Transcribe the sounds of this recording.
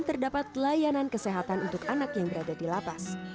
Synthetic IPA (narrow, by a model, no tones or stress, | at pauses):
nt̪ərdapat̪lajanankəseɦat̪anunt̪ʊkanakjaŋbəɾadadilapas